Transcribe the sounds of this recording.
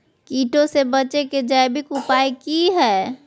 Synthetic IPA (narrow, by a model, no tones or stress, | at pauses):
kiːʈõsebət͡ʃeked͡ʒajbɪkʊpaːikiɦɛː